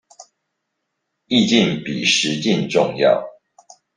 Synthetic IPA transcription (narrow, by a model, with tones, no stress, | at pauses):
i˥˧t͡ɕi˥˨npi˨˩ʂɻ̩˨˦t͡ɕi˥˨nʈ͡ʂʊ˥˧ŋjɑ̰˥˨ʊ